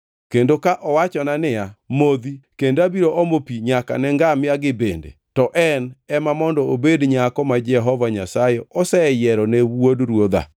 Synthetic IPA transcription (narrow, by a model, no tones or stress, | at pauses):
kendokaʔɔwat͡ʃɔnanɪamod̪ikendabiɾoʔomopiɲaka̰nɛŋɡamɪaɡɪbendḛtɔʔɛnɛmamɔndɔobedɲakɔmad͡ʒɛɦɔvaɲasajɛɔsɛjɛɾɔnɛwwodɾwod̪a̰